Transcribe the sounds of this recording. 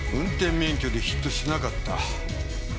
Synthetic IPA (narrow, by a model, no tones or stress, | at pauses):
ɯ̟̃nt̪ẽ̞mːẽ̞ŋkʲo̞d̪e̞çi̥t̪ːoɕinakat̪ːa̰